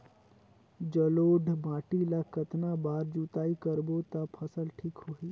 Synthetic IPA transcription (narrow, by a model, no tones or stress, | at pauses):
d͡ʒəloːɖʱbʱãːʈilakət̪nabaːɾd͡ʒuːt̪aːikəɾbot̪apʰəsəlʈʰiːkɦoːiː